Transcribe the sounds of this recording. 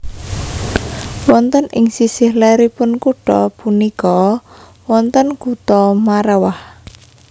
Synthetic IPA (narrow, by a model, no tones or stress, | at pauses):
wɔnt̪ənʔɪŋsisɪhlɛɾipʊnkuɖ̥ɔpunikɔ | wɔnt̪ənɡ̥ut̪ɔmaɾɛwah